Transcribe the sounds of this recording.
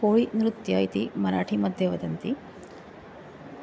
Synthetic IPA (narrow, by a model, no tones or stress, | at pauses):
poːɭinɾut̪jɐit̪imɐɾaːʈʰimɐd̪ʱjeʋɐd̪ɐnt̪i